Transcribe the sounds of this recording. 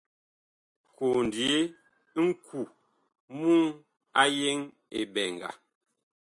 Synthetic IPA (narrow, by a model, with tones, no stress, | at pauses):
ko˨n˨di˨e˦ | ŋ̩˦kʰu˨ | mu˦ŋ | a˦je˦ŋ | ḛ˨bɛ˨ŋ˨ɡa̰˨